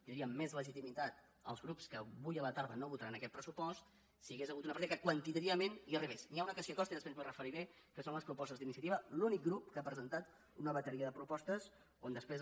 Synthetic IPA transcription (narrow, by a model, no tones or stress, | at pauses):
iɾiəmːezləʒit̪imit̪at̪ | ə̰lˠzɣɾupskəβujələt̪aɾðənoβut̪əɾanəkɛt̪pɾəsupɔst̪ | siəɣezəɣut̪unəpəɾt̪iðəkəkwənt̪it̪əɾiəmeniəriβesniaunəkəsiəkɔst̪əiðəspenzurəfəɾiɾe | kəsonləspɾupɔst̪əzðinisiət̪iβəlunik̚ɡɾupkəapɾəzənt̪at̪ | unəβət̪əɾiəðəpɾupɔst̪əs | ond̪əspɾez